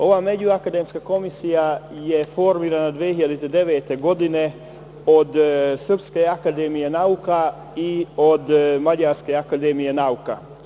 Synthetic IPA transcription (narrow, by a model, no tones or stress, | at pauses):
o̞ʋame̞d͡ʑuakad̪emskako̞misijajefo̞ɾmiːɾanad̪ʋiehiʎad̪it̪ed̪e̞ʋeːt̪eɡo̞d̪ine̞ | od̪sr̩pskeakad̪emijenauka | iod̪maɟaɾskeakad̪emije̞nauka